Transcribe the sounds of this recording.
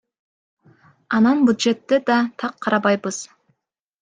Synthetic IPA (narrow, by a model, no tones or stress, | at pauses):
ɑnɑnbʲud̪ʒe̞t̪ːed̪ɑt̪ʰɑqʰːɑɾɑbɑjbəz̥